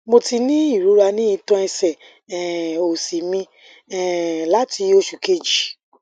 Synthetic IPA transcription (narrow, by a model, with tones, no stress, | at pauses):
mo˧ti˧nĩ˦i˦˨ɾu˨˦ɾa˧nĩ˦i˧tɔ̃˧˦ɛ˧sɛ˨ | ɛ˨o˨si˨mĩ˧ | ɛ˨la˨˦ti˧o˧ʃu˨ke˧d͡ʒi˨